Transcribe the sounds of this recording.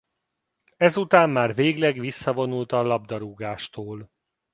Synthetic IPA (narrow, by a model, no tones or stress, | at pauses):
ɛzut̪aːmːaːrveːɡlɛɡʋisːɒvo̞nult̪ɒlɒb̚d̪ɒɾuɡaːʃt̪oːl